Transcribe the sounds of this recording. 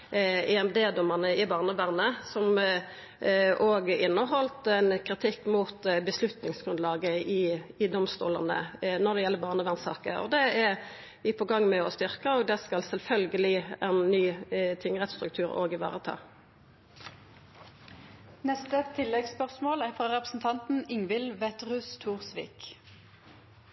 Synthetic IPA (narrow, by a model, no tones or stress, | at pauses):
ɛɛmd̪eːd̪ɔmːənəɪbɑːʁnəʋæʁnəsɔm | ʔoːɡəɪnːəɦɔlt̪ɛnkʰʁɪt̪ʰɪkːmuːt̪bəslʉt̪nɪŋsɡʁʉnlɑːɡəʔɪɪd̪ɔmst̪ṵːləʁnə̰nɔʁd̪ɛjɛlːəbɑːʁnəʋæʁnsɑ̰ːkəɔ̰d̪ɛæʁ | ʋɪpʰɔɡɑŋːmɛɔst̪ʏʁkəɔːɡd̪ɛskɑlsɛlfœlɡəlɪɛnːyːt̪ʰɪŋːəʁɛt̪st̪ɾʉk̚t̪ʰʉːʁo̰ːɡɪʋɑ̰ːʁət̪ʰɑ̰ː | nɛst̪ət̪ʰɪlːɛɡspœʁsmoːlæfʁoːʁɛpʁəsn̩t̪ʰɑnt̪n̩ɪŋʋɪlʋɛt̪ʁʉːst̪ʰuːʁsʋḭːk